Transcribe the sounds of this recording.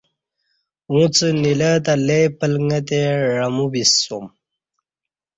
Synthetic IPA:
ũt͡sənilət̪alepəlŋɡət̪eɻəmubisːum

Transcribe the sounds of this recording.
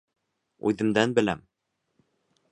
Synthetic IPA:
ʉðɘ̆md̪ænbɘ̆læ̰m

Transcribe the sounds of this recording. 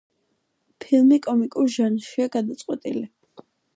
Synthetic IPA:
pʰilˠmikʼɔmikʼuɾʒanʃiaɡad̪at̪sʼqʼwɛt̪ʼḭli

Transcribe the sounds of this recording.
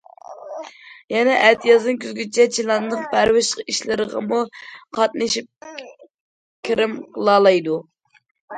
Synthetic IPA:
jɛnɛʔɛt̪ʰijɑznɨŋkʲʰyzɡʲyt͡ʃʰɛt͡ʃʰilˠɑnd̪əqbæɾwɪʃəqiʃlɪɾəʁɑ̰muqʰɑt̪̚nɨʃip̚ | kʲʰiɾɪmqəlˠɑːlˠɑjd̪u

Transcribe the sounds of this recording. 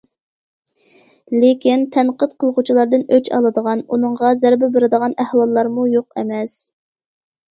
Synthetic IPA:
lekʲint̪ʰɛnqət̪qʰəlˠʁut͡ʃʰilˠɑɾd̪ɨnøt͡ʃʰɑ̰lˠɨd̪əʁɑnunəɴʁɑzæɾbɪbɪɾɪd̪əʁɑnæhwɑlˠːɑɾmujoqɛmɛs

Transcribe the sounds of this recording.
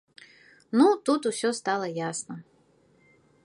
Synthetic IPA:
nut̪ut̪usʲɔst̪alˠɐjasnɐ

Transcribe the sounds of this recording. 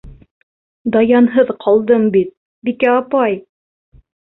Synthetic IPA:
d̪ɑjɑnɦɤðqʰɑlˠd̪ɤmbit̪̚ | bikæɑpɑj

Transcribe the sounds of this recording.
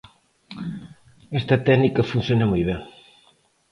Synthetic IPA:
ɛst̪ɐt̪ɛɣnikɐfunθjonɐmujβeŋ

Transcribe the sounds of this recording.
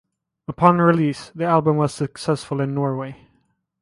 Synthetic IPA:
əpʰɑ̃nəɹɪliːsðiælˠbə̃mwʌz̥səksɛsfəlˠɪ̃nːɔɹweɪ

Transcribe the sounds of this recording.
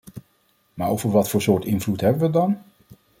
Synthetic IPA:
maːɹowvəɹʋɑtfʊːɹsʊːɹtɪnvlutɦɛbəʋədɑn

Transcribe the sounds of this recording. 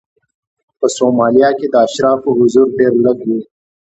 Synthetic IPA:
pəsoːmaːlijaked̪aːʃɾaːfoɦʊzuːɾɖeːɾlɐɡɦuː

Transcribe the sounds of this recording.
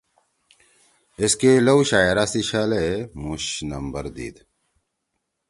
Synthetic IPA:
eskelɐwɕaːjeɾasiɕɐlemuɕnɐ̰mbəɾd̪ḭːd̪

